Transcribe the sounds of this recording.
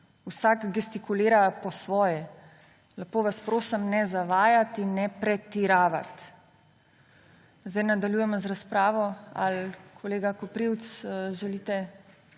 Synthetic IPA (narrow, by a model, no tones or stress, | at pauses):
usaɡɡɛst̪ikuleːɾapɔsʋɔːjɛ | lapoːʋaspɾoːsəmnɛzaʋaːjat̪inːɛpɾɛt̪iɾaːʋa̰t̪ | zd̪ajnad̪aljujɛmɔzɾaspɾaːʋɔa̰lkʰɔleːɡakɔpɾiwt̪sʒɛliːt̪ɛ